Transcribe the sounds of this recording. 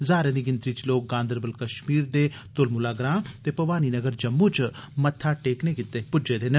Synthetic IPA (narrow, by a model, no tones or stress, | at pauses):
zaːɾẽːd̪iːɡɪnt̪ɾiːt͡ʃloːk̚ɡãːnd̪əɾbəlkəʃmiːɾd̪eː | t̪ʊlmʊlaːɡɾãːt̪eːpɐʋaːniːnəɡəɾd͡ʒəmːũːt͡ʃmət̪ʰːaːʈeːkneːkɪt̪ːeːpʊd͡ʒeːd̪eːnə